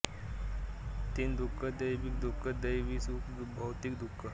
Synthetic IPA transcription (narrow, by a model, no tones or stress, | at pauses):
t̪ind̪ukʰːəd̪əjbik̚d̪ukːəd̪əjʋiːsukbʱawt̪ikd̪ʱukʰːə